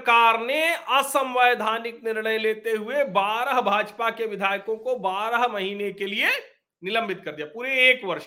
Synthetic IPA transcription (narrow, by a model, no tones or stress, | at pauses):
kaːɾneɐsə̃mʋəjd̪ʱaːnɪknɪɾɽ̃əjleːt̪eɦʊebaːɾəɦbʱaːd͡ʒpakeʋɪd̪ʱaːjkõkobaːɾəɦmɐɦiːnekelie | nɪlə̃mbɪt̪̚kɐɾd̪ijaːpuːɾeːkʋɐɾʃ